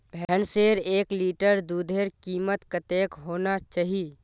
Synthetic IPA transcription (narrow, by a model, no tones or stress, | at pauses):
bʱɛːnseːɾeːkliːʈəɾd̪uːd̪ʱeːɾkiːmət̪kət̪eːkɦoːnat͡ʃaːɦie